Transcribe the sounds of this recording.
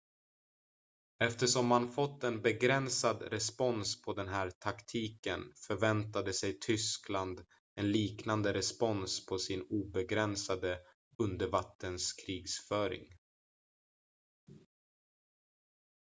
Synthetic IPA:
ɛft̪əʂɔmːanfɔt̪ːɛnbɛɡɾɛnsad̪ɾɛspɔnspʰɔd̪ɛnɦæːɾt̪ʰakt̪ʰiːkənfœɾvɛnt̪ad̪əsɛjt̪ʰʏskland̪ | ɛnliːknand̪əɾɛspɔnspʰɔsɪnuːbɛɡɾɛnsad̪ə | ɵnd̪əɾvat̪ʰːənskʰɾiːɡsfœːɾɪ̰ŋ

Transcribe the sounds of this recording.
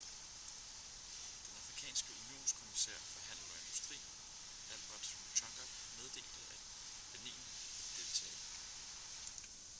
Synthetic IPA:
d̥enɑ̈fʁikʰɛ̰ːnsɡ̥əunio̝̰ːnskʰo̝misḛɐ̰fɒ̽ɦæn̰ɐe̝nd̥usd̥ʁḭ̥ː | æl̰b̥ɐd̥ | t͡ɕʰɑɡ̥ɐb̥ | með̞ˠd̥e̝̰ːlð̩ˠæ̥ | b̥enḛːn | ed̥e̝lt͡sʰɛ̰ː

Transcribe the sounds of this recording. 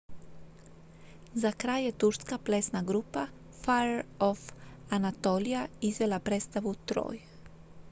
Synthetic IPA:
zakɾaːjːet̪uɾskaplesnaɡɾupa | faɾofanat̪olijaizʋelapɾet̪st̪aʋut̪ɾo̰ːj

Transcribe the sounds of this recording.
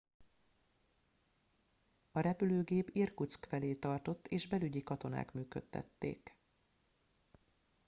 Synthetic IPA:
ɒɾɛpyløːɡeːpirkut̪skfɛleːt̪ɒrt̪o̞t̪ːeːʒbɛlyɟikɒt̪o̞na̰ːkmyːkø̞t̪ːɛ̰t̪ːḛːk

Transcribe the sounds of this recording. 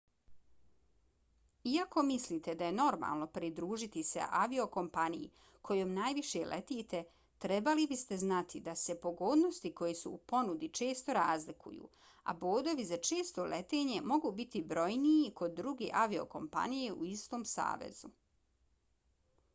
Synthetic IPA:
iako̞misliːt̪e̞d̪aje̞no̞ɾma̰lˠno̞pɾid̪ɾuːʒit̪isḛʔaʋio̞ko̞mpanijḭ | kʰo̞joːmnaːjʋiʃelʔḛt̪iːt̪e̞ | t̪ɾe̞balibist̪e̞znat̪ʰid̪ase̞po̞ɡoːd̪no̞st̪iko̞jesṵːpo̞nud̪it͡ʃe̞ːst̪o̞ɾaːzlikṵjṵː | a̰boːd̪o̞ʋizat͡ʃe̞ːst̪o̞lʔḛt̪e̞ːɲe̞mo̞ɡuːbit̪ibɾo̞jniiko̞d̪ːɾuɡe̞̰ʔaʋio̞̰ko̞̰mpa̰nije̞ʔuist̪o̞ːmsa̰ːʋḛzu

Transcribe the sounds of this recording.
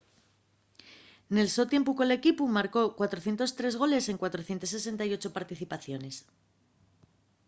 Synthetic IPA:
ne̞lso̞t̪je̞mpukole̞kipumaɾko̞kwat̪ɾoθjent̪o̞st̪ɾe̞zɣ̞o̞le̞se̞ŋkwat̪ɾo̞θjent̪ose̞s̬e̞nt̪ajo̞t͡ʃo̞paɾt̪iθipaθjo̞ne̞s

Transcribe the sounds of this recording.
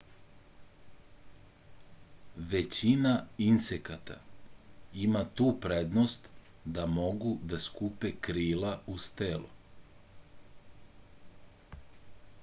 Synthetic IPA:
ʋet͡ɕinainsekat̪a̰ | imat̪uːpɾed̪nost̪ | d̪amo̞ɡud̪askupekɾiːlaust̪elu

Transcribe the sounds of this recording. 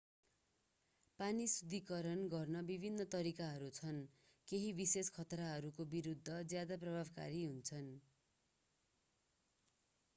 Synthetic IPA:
panisud̪ʱikʌɾʌnɡʌrnʌbibʱinːʌt̪ʌɾikaɦʌɾut͡sʰʌn | keɦibiseskʰʌt̪raɦʌɾukobiɾud̪ʱːʌd͡zjad̪aprʌbʱabka̰ɾiɦunt͡sʰʌn

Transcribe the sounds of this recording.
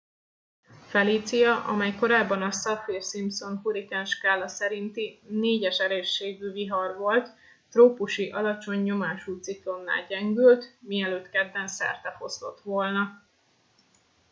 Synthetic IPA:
fɛliːt̪sijɒʔɒ̰mɛjko̞ɾaːbːɒnɒsɒfirsimpso̞nɦuɾikɛnʃkaːlːɒsɛɾint̪ineːɟɛʃɛleːrʃːeːɡyːviɦɒrvo̞lt̪ː | roːpuʃiʔɒlɒt͡ʃo̞ɲːo̞maːʃuːt̪siklo̞nːa̰ːlɟɛŋɡylt̪miɛløːt̪kɛd̪ːɛnsɛ̰rt̪ɛfo̞st̪o̞t̪ʋo̞lnɒ

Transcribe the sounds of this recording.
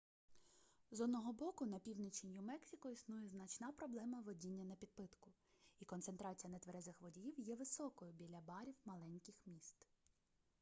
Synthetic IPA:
zɔd̪nɔɦɔbɔkʊnɐpʲiwnɪt͡ʃenʲjʊmɛksʲikɔisnujɛznɐt͡ʃnɑpɾɔblˠɛmɐʋɔdʲinʲːɐnɐpʲid̪̚pɪt̪kʊ | ikɔnt̪se̞nt̪ɾɑt͡sʲijɐnɐt̪ʋeɾɛzɪxʋɔdʲijiwjɛʋɪsɔkɔjʊbʲilʲɐbɑɾʲiwmɐlˠɛnʲkɪxmʲist̪

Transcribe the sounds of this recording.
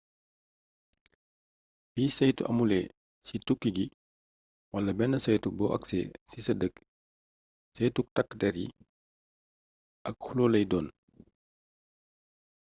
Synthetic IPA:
biːsɐjtuʔɐ̰mulɛ | situkːiɡi | wɐlːɐbɛnːɐsɐjtubɔːʔɐ̰ksɛ̰sisɐdək | sɐjtuk̚tɐkːdɛɾjḭ | ʔɐk̚huloːlɐjdɔːn

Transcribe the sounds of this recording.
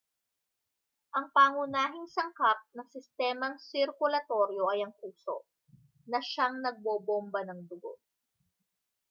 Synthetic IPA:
ʔɐŋpaːŋʊnaːɦɪŋsɐŋkap̚nɐŋsɪst̪ɛːmɐŋsɪɾkʊlɐt̪o̞ɾjo̞ʔɐjɐŋpuːso̞̰ʔ | nɐʃaŋnɐɡ̚boːbombɐnɐŋd̪ʊɡo̰

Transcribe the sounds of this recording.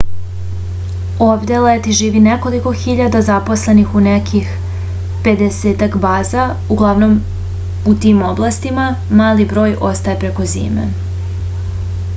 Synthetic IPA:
obd̪elet̪iʒiːʋineko̞liko̞xiʎad̪azapo̞sle̞nixunekʰix | pe̞d̪eseːt̪akbaːza | uɡlˠaʋno̞m | ut̪imo̞blˠast̪ima | maːlibɾo̞ːjʔost̪aepɾeko̞zḭːmḛ

